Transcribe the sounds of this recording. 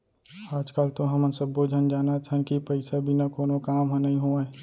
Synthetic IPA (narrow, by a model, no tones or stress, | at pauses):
aːd͡ʒkaːlt̪oɦɐmənsəbːod͡ʒʱənd͡ʒaːnat͡ʃʰənkipɐɪsabʱinakoːnokaːmɦɐ̃nɐɦĩɦoae